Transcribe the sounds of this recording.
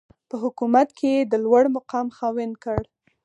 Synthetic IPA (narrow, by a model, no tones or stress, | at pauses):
pəɦʊkumat̪kʰeed̪əlwaɽmaqɑmxɑwɪnkəɽ